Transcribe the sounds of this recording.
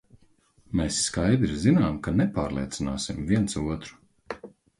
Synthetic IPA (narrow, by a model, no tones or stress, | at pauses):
meːsːkajd̪ɾizinaːmkanɛpaːɾlˠḭɛt̪sinaːsimviɛnsuɔt̪ɾu̥